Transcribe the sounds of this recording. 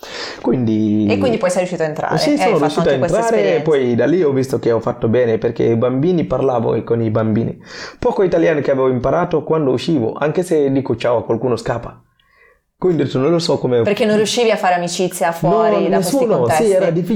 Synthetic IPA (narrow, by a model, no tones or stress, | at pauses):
kwind̪iekːwind̪ipɔjsɛɾjuʃiːt̪oaent̪ɾa̰ɾseionoɾiuʃːiːt̪aent̪ɾaːɾeːpːɔjd̪alːiɔvist̪okeɔfat̪ːobɛːneperk̟ḛjbambiːniparlaːvo̰konibambḭːnḭpɔkoit̪aljaːnikeavɛːvoimpaɾaːt̪okwand̪ouʃiːvo̰ʔa̰ŋk̟esed̪iːkot͡ʃaːwakwalkuːnoskaːpːa | kwind̪it̪unonlosɔkːomeperkːenːonrjuʃːiːviafːaːɾeamit͡ʃit̪sːjafwɔnɔɾidnaeseːuːnosiɛːɾad̪ifːi